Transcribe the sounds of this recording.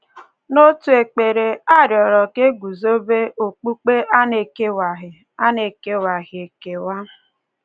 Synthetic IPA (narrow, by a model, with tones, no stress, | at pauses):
no˦tu˨e˨k͡pe˨ɾe˨a˦ɾjɔ˨ɾɔ˨ke˦ɡu˨zo˦be˦o˨k͡pu˦k͡pe˦ʔa˦ne˨ke˦wa˨ɦɪ˨ | a˦ne˨ke˦wa˨ɣɪ˨e˨ke˨wa˦